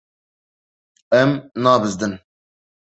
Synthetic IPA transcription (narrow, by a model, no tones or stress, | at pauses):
ɛmnɑːbɨzd̪ɨn